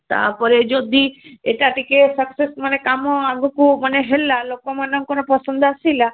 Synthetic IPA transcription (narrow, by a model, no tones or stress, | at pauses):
t̪a̰pɔɾed͡ʒod̪ieʈaʈikesəksesmənekamɔaɡukuməneɦelːalokomanɔŋkonɔpɔsɔnd̪asila